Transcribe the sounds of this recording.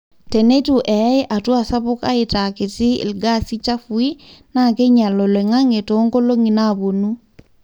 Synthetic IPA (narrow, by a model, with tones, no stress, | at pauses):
te˨ne˦tu˨ʔɛ˨˦ɪ˦ʔa˨twa˦˨sa˦βʊ˦ka̰˦ɪ˨ta˨kɪ˨tɪ̰˦˨lɡa˦si˦t͡ʃa˦fu˨i˦na˦˨ke˦ɲa˨lɔ˨le˨ŋa˦ŋe˨to˨˦ŋɡo˦lo˦ŋi˨na˦˨βo˨nu˦